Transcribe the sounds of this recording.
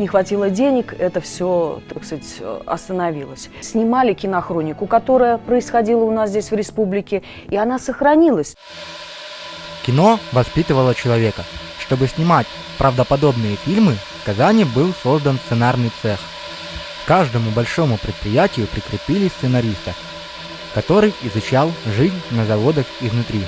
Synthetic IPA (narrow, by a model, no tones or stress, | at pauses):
nʲɪxvɐtʲilˠədʲenʲɪkɛt̪əfsʲot̪ɐksatʲɐ̰st̪ənɐvʲilˠəsʲ | sʲnʲɪmalʲɪkʲɪnɐxɾo̞nʲɪkʊkɐt̪o̞ɾəjəpɾəɪsxɐdʲilˠəʊnas̬zʲdʲesʲvɾʲɪspublʲɪkʲɪ | ɪɐnasəxɾɐnʲilˠəsʲ | kʲɪno̞vɐspʲit̪ɨvəlˠət͡ɕɪlˠɐvʲekə | ʂt̪o̞bɨsʲnʲɪmatʲ | pɾʔəvd̪əpɐd̪o̞bnɨjəfʲilʲmɨskɐzanʲɪbɨlˠso̞zd̪ənst̪ɨnarnɨjt̪sɛx | kaʐd̪əmʊbɐlʲʂo̞mʊpɾʲɪt̪̚pɾʲɪjætʲɪjʊpɾʲɪkɾʲɪpʲilʲɪst̪sɨnɐɾʲist̪ə | kɐt̪o̞ɾɨjɪzʊt͡ɕalˠʐɨzʲnʲnəzɐvo̞d̪əxɪznʊt̪ɾʲi